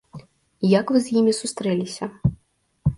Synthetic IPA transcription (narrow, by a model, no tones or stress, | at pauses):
jɐkvɨzjimʲisust̪ɾɛlʲisʲɐ